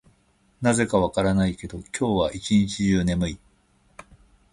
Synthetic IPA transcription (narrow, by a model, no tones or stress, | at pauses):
naze̞kaβakaɾanaike̞d̪o̞kʲʰo̞ːβaʔit͡ɕiɲ̟it͡ɕiʑɨːne̞mɯ̟i